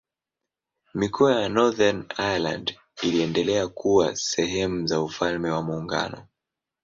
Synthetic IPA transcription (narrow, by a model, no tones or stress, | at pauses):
mikʰɔajanɔðanajala̰nd | iliɛndɛlɛakuwasɛɦɛmuzaufalmɛwamuːŋɡa̰nɔ